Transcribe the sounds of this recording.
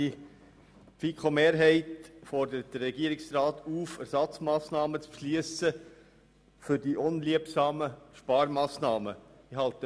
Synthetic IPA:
i | fikʰχomeːɾɦɛɪtfɔɾdəɾət̚d̥ərrɛɡiəɾɪksrɑːt̪uːfæɾsɑt͡smɑːsnɑːmət͡spʃliəsə | fʏɾdiʔʊnliəpsɑːməʃpɑːɾmɑːsnɑːmə | iɦɑlt̪ə

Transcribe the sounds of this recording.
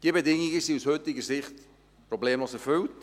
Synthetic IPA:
d̥iəbedɪŋiɡəsiushøtɪɡəsɪχt | prɔbleːmloːsɛfʏlt

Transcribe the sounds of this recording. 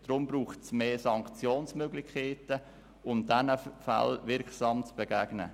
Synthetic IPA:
d̥ɾʊmbɾuːχtsmeːsɑŋkt͡sjoːnsmøɡlɪçkʰeːtə | ʊmdɛnəfa̰lvɪɾksɑːmt͡sb̥ɛɡ̥æːɡnə̰

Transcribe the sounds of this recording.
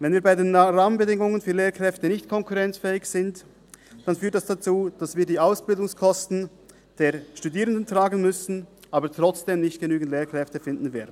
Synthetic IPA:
vɛnviːbaɪdeːnʁaːmənbədɪŋʊŋənfyːleːɐkʁ̥ɛftənɪçtkʰɔŋkʰuʁɛnt͡sfɛːɪçsɪnt | d̥anfyːtdɛsd̥at͡suːd̥asv̥iːɐdiːʔaʊsb̥ɪldʊŋskʰɔstn̩ | d̥eːɐʃtudiːʁəndəntʁ̥aːɡən̩mʏsn̩ʔaːbətʁ̥ɔt͡sd̥eːmnɪçtɡ̥ənyːɡn̩tleːɐkʁ̥ɛftəfɪndn̩vɛːɐdn̩

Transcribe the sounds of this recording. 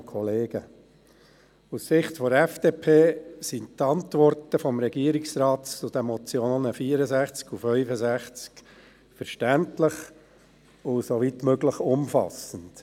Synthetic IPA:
kʰɔleːɡ̥ə | ussɪχtfɔɾɛfd̥eːpʰeːsintɑntʋɔrtəfɔmɾɛɡ̥iəɾiksɾɑːtt͡sʊd̪ɛmɔt͡sjonəfiːəɾəzæχt͡skufœʏfəzæχt͡sk | fəɾʃtæntləχ | ʊsoʋit̪møɡləχʊmfɑ̰sənt

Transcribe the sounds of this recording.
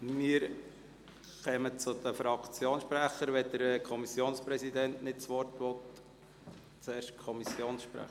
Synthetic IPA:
mɪːəɾ | χɛmət͡sʊd̪əfɾɑkt͡sjoːnʃpɾæχəɾʋɛd̥̪əɾkʰɔmisjoːnspɾɛsid̪ɛntnɪtt͡sʋɔrtʋɔt̪ | t͡sɛːɾʃkʰɔmisjoːnsʃpɾæ̰χ

